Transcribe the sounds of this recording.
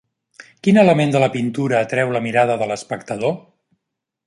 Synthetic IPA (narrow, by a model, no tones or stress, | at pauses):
kinələmend̪ələpint̪uɾəːt̪ɾɛwləmiɾaðəðələspəkt̪əðo